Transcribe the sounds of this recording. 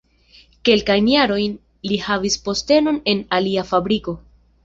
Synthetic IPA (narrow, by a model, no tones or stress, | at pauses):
ke̞lkajnjaɾo̞jn | lihavispo̞ste̞no̞ne̞naliafabɾiko̞